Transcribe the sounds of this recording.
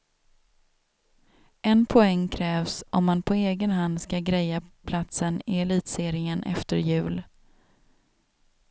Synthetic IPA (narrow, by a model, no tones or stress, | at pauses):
ʔɛnpʰɔɛŋːkʰɾɛːvsɔmːanpʰɔeːɡənɦand̪skaɡɾɛjapʰlat̪sənɪɛliːt̪seːɾɪŋənʔɛ̰ft̪əɾjʉ̟ːl